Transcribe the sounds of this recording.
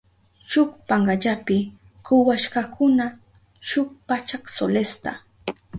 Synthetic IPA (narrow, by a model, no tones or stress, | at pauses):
ʃʊkpaɴɢɑʎapɪ | kʊwaʃkakʊna | ʃʊk̚pat͡ʃaksolest̪a